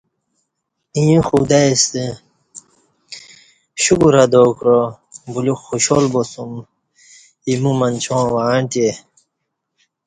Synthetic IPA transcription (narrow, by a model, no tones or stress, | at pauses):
ĩjĩxud̪aest̪i | ɕukuɾɐd̪okɾo | buluxuɕolbosum | imumɐnt͡ɕʰõːwaːɳt̪e